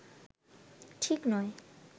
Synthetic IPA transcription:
ʈʰiknɔe

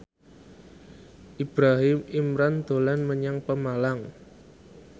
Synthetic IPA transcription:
ʔib̥ɾaɦɪmimɾand̪̥o̤lanməɲaŋpəmalaŋ

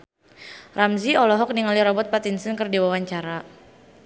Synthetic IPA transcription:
ramziɔlɔɦɔk̚niŋaliɾɔbɔt̪̚pat̪insənkərdiwawaɲt͡ʃaɾa

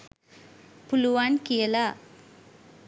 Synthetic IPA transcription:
pʊluʋaːnkijɐlaː

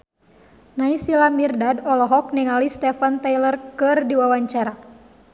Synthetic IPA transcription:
naisilamirdadɔlɔɦɔk̚nɛŋalist̪ɛfant̪ajlərkɨrdiwawaɲt͡ʃaɾa

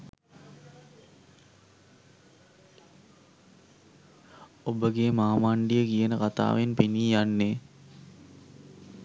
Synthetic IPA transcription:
obəɡemaːmaɳɖijəkijənəkat̪a̰ːʋenpeniːjanːe

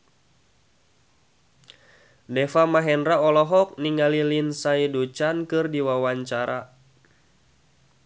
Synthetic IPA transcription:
dɛfamaɦɛnraɔlɔɦɔk̚niŋɡalilinsaidut͡ʃankɨrdiwawaɲt͡ʃaɾa̰

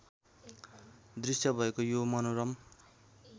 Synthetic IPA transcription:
d̪risjʌbʱʌekojomʌnoɾʌm

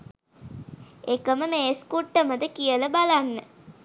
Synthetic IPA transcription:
ekəməmeːskuʈːəməd̪əkijələbalanːə

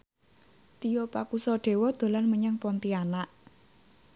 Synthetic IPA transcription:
t̪ijɔpakusɔɖ̪̥e̤wɔd̪̥o̤lanməɲaŋpɔnt̪ianaʔ

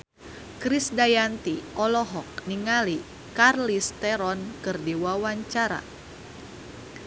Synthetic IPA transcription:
kɾisdajant̪iʔɔlɔɦɔk̚niŋali | karlist̪ɛɾɔnkɨrdiwawaɲt͡ʃaɾa̰

